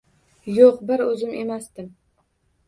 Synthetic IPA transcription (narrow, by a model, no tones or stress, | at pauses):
joqbɪɾɵzɪmʔe̞masd̪ɪm